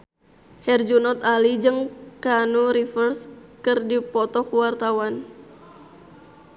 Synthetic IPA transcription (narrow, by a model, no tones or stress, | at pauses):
hɛrd͡ʒunɔt̪alid͡ʒɨŋkanuɾifərskɨrdipɔt̪ɔkuwart̪awan